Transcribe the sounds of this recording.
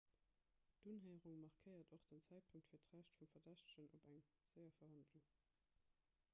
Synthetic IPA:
d̥unɦəɪəʁuŋmɑʁkʰəɪɐdoχd̥ənt͡sæɪt̚pʰuŋktfiːɐtʁæʃtfumfɐdæɕtə̥ɕənʔobæŋ | z̥əɪɐfɐhɑndluŋ

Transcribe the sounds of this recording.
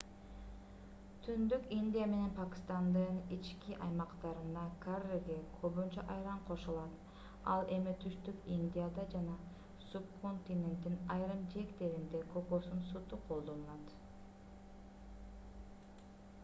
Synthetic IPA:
t̪ʰynd̪ykinʲd̪ʲijame̞ne̞npakʲɪ̥st̪ɑnd̪ɯnit͡ʃkiʔɑjmɑqt̪ɑɾɯnd̪ɑkʰareɡekʰøβynt͡ʃɑʔɑjɾɑɴqʰo̞ʃulˠɑt̪ | ɑ̰lˠe̞mit̪ʰyʃt̪ykinʲd̪ʲijad̪ɑd͡ʒɑnɑ | sub̚kʰont̪ʲinʲe̞nt̪ːinɑjɾɯmd͡ʒe̞kt̪e̞ɾind̪e̞kʰopo̞sunsut̪uqʰo̞lˠd̪o̞nlˠɑt̪

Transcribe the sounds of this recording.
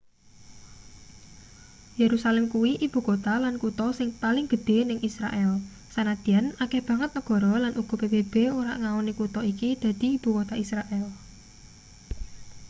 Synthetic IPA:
jeɾusalɛmkuwiʔib̥ṳkot̪alankut̪ɔsɪŋpalɪŋɡ̥əd̪̥e̤nɪŋʔisɾa̰ʔɛl | sanad̪̥i̤anakehb̥ä̤ŋət̪̚nəɡ̥ɔ̤ɾɔlanʔuɡ̥ɔ̤peb̥eb̥eoɾa̰ʔŋaonikut̪ɔikid̪̥ä̤d̪̥i̤ib̥ṳkot̪aisɾaʔɛl

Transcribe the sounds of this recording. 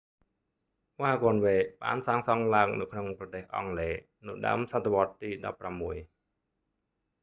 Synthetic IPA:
ʋaːkonʋeːɓa̰ːnsaːŋsɑŋlaəŋnɨ̰wkʰnoŋprɑt̪eːhʔɑ̰ŋleː | nɨɗa̰əmsat̪ʰːaʋŏət̪ːiːɗɑ̰pːramːuəj

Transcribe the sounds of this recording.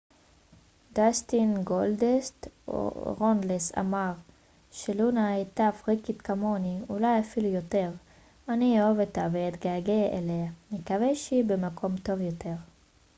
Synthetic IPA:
dast̪inɡold̪est | ʁondlesa̰maʁ | ʃelunaet̪afʁikit̪kamo̞niulajafilujote̞ʁ | aniovet̪aveet̪ɡaɡeʔeleamikaveʃeibemakʰo̞mt̪o̞vjot̪e̞ʁ

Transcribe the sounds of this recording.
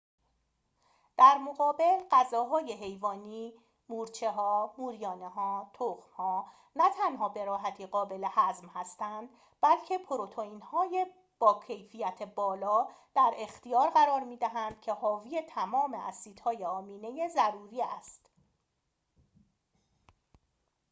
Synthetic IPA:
d̪̥æɾmoɣɒːbe̞lɢæzɒːɦɒːje̞ɦe̞jvɒːniː | muːɾt͡ʃʰe̞ɦɒːmuːɾijɒːneɦɒːt̪ʰoxmhɒː | næt̪ʰænhɒːbe̞ɾɒːɦæt̪ʰiːɣɒːbe̞le̞hæzmhæst̪ænd̪̥ | b̥ælcʰe̞pʰoɾot̪ʰoiːnhɒːje̞ | b̥ɒːcʰe̞jfijæt̪ʰe̞bɒːlɒːd̪̥æɾe̞xt̪ijɒːɾɣæɾɒːɾmiːd̪æɦænd̪̥̚cʰe̞hɒːvijet̪ʰæmɒːme̞̰ʔæsiːd̪̥hɒːjeɒːmiːne̞jezæɾuːɾiːæst̪

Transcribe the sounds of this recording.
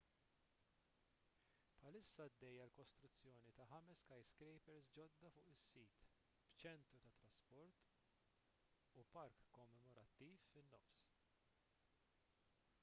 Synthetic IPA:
pħɐlɪsːɐɐd̪ːɛjːɐlkɔst̪ɾʊt͡sːjɔːnit̪ɐħɐmɛskɐjskɾɛjpɛɾsd͡ʒɔd̪ːɐfʊːʔɪsːiːt̪ | b̥t͡ʃɛnt̪ɾut̪ɐt̪ɾɐspɔɾt̪ | upɐɾkːɔmːɛmɔɾɐt̪ːiːfɪnːɔfs

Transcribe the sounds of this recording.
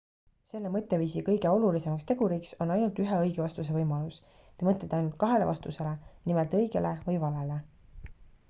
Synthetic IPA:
se̞lːe̞mɤt̪ˑːe̞viːsikɤjɡe̞o̞lulise̞mɑkst̪e̞ɡ̥uɾiːkso̞nɑjnult̪yɦeɤjɡevɑst̪us̬e̞vɤjmɑlus | t̪emɤt̪ːˑet̪ːɑjnult̪̚kɑɦe̞le̞vɑst̪use̞le̞nimelt̪ɤjɡe̞levɤjvɑlele̞

